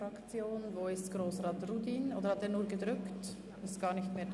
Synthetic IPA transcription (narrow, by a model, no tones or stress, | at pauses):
ɾɑkt͡sjoːnvoːɪstɡ̥ʁoːsʁɑːtrudiːnoːdəhɑteːɐnuːɐɡədʁʏkt | ɪstɡ̥ɑːɾnɪçtmeːɐd